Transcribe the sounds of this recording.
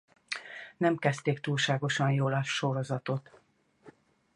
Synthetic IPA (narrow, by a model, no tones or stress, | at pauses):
nɛmkɛst̪eːkt̪uːlʃaːɡo̞ʃɒnjoːlɒʃːo̞ɾo̞zɒt̪o̞t̪